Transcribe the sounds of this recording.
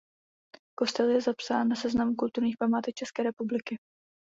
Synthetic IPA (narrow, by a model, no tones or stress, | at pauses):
ko̞st̪ɛljɛzapsaːnːasɛznamukult̪uɾɲiːxpamaːt̪ɛk̚t͡ʃɛskɛːɾɛpublɪkɪ